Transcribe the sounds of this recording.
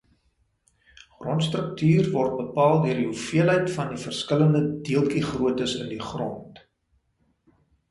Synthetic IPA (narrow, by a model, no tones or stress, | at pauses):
χrɔntstrək̚tyːrvɔrt̚bəpɑːlˠdøərdiɦufiəlɦəjtfɐndifərskələndədiəlˠkiχruətəsə̰ndiχrɔ̰nt